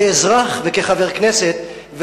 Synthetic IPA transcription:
ɛzʁaχvekeχavɛʁknɛsɛt̪ | v

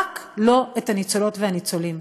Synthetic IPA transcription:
klo̞ethanit͡solo̞tvehanit͡so̞lim

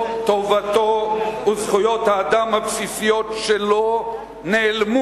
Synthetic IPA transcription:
t̪ovat̪ouzχujo̞t̪haːd̪amhapsisijo̞tʃelo | neːlmu

